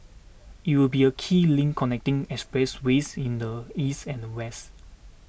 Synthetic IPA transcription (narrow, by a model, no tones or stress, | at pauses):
it̚wilbiəkʰiːlĩŋkʰːɔnɛk̚tɪ̃ŋɛkspɹɛswesĩndəistɛ̃ndəwɛst